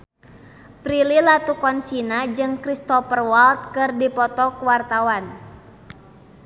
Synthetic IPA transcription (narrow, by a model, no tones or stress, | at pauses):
pɾililat̪ukɔnsinad͡ʒɨŋkɾist̪ɔfərwalt̪̚kɨrdipɔt̪ɔkuwart̪awan